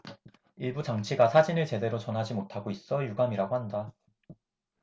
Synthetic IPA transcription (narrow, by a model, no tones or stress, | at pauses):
iɭbut͡ɕaŋt͡ɕʰiɡasʰad͡ʑinɯɭt͡ɕe̞de̞ɾot͡ɕʌnɦad͡ʑimotʰaɡois͈ʌjuɡamiɾaɡohanda